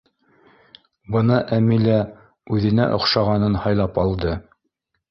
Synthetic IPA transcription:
bɤnɑʔæmilæ | ʉðɘ̆næ̰ʔŏχʃɑʁɑnɤnhɑjlˠɑpɑlˠd̪ɤ

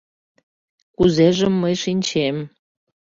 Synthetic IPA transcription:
kuzeʒə̆mːəjʃinʲt͡ɕem

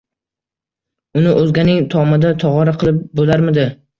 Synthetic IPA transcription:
ʊnɪʔɵzɡʲanɪŋt̪ʰɒmad̪at̪ʰɒʁɒɾaqʰɨlˠɪp̚bolaɾmɪd̪ɪ

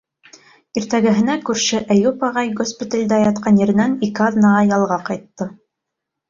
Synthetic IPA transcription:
iɾt̪æɡɘ̆ɦɘ̆nækʉɾʃɘʔæjupɑʁɑjɡospʲit̪alʲd̪æjɑt̪̚qʰɑnjɘ̆ɾɘ̆nænikɘɑðnɑʁɑjɑlˠʁɑqɑjt̪ːɤ

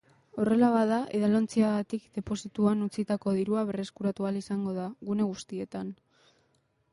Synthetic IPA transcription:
o̞re̞laβaðaʔe̞ðalo̞nt͡siaɣat̪ikd̪e̞po̞sit̪uanut͡sit̪ako̞ðiɾuaβ̞e̞re̞skuɾat̪ualisaŋɡo̞ðaɣune̞ɣ̞ust̪ie̞t̪an

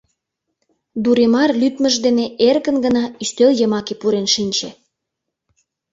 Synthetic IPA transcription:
d̪uɾemɑrlyt̪mə̆ʒd̪eneerɣənɡənɑyst̪øljəmɑkepuɾenʃinʲt͡ɕe

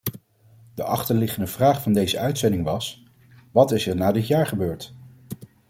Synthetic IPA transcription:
d̥əʔɑχtəɹlɪχəndəv̥raːχfɑndejzəœɥtsɛndɪŋʋɑs | ʋɑtɪsəɹnaːdɪtjaːɹχəbøːɹt

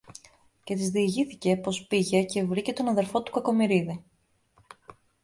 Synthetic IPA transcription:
ce̞t̪izðiːʝiθice̞po̞spiʝe̞ce̞vɾice̞t̪o̞nɐðe̞ɾfo̞t̪u̥kɐko̞miɾiði

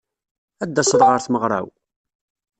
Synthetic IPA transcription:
æd̪ːæsˤðˤʁəɾθməʁɾˤa̰w

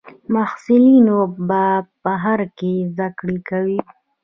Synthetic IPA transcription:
mahsɪlinobapəɦaɾkezd̪akɽikawi

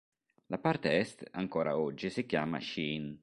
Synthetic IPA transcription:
lapart̪eɛst̪aŋkɔːɾa̰ɔd͡ʒːisikjaːma̰ʃiːn

